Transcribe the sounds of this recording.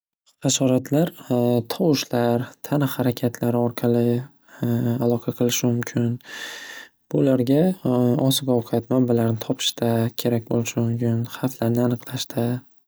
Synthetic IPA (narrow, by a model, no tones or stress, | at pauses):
χɑʃɒɾat̪ʰlaɾt̪ʰɒwɪʃlaɾt̪ʰanɪhaɾakʲʰat̪ʰlaɾɪɒɾqʰɑlɪ | alˠɒqʰɑqʰɨlˠɪʃɪmʊmkʲʰɪn | b̥ʊlaɾɡʲaɒsɪɡɒwqʰat̪mambalaɾnɪt̪ʰɒpʰɪ̥ʃt̪ʰakʲʰe̞ɾak̚ʲbolˠɪʃɪmʊmkʲɪnχaflaɾnɪanɨqlˠaʃt̪ʰa